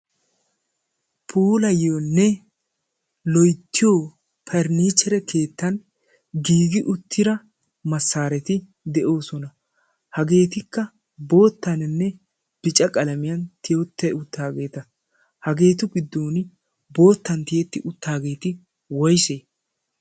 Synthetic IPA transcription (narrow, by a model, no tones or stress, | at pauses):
pʰuːlɐjoːnːɛ | lɔjt̪ʰːɪjoː | pʰɛɾniːt͡ʃːɛɾɛkʰe̞ːt̪ːɐn | ɡiːɡɪʔʊt̪ʰːɪɾɐ | mɐsːaːɾɛt̪ɪ | d̪ɛʔo̞ːsɔnɐ | hɐɡe̞ːt̪ɪkːɐ | bo̞ːt̪ːɐnɪnːɛ | b̥ɪt͡ʃʼɐkʼɐlɐmɪjɐnt̪ɪjot̪ːɛʊt̪ːaːɡe̞ːt̪ɐ | hɐɡe̞ːt̪ʊɡɪd̪ːo̞ːnɪ | bo̞ːt̪ːɐnt̪ɪjɛt̪ːɪʔʊt̪ːaːɡe̞ːt̪ɪ | wɔjseː